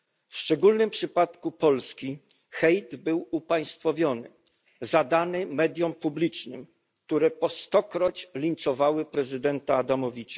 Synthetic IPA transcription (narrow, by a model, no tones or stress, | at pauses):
fʂt͡ʂɛɡulnɘmpʂɘpat̪kupɔlskʲi | xɛjd̪bɘwupaj̃st̪fɔvʲjɔnɘ̰ | zad̪anɘmɛd̪ʲjɔmpublʲit͡ʂnɘm | k̚t̪uɾɛpɔst̪ɔkɾɔt͡ɕlʲint͡ʂɔvawɘpɾɛzɘd̪ɛnt̪aːd̪amɔvʲit͡ɕḁ